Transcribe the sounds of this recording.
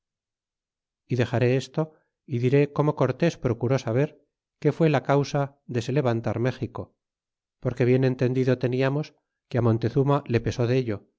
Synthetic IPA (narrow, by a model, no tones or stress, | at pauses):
iðe̞xaɾe̞est̪o̞ | iðiɾe̞ko̞mo̞ko̞ɾt̪e̞spɾo̞kuɾo̞saβ̞e̞ɾ | ke̞fwe̞lakawsa | ðe̞se̞le̞βant̪aɾme̞xiko̞ | po̞ɾke̞βje̞nẽ̞nt̪e̞nd̪iðo̞t̪e̞niamo̞s | keamo̞nt̪e̞θumale̞pe̞so̞ðeʎo̞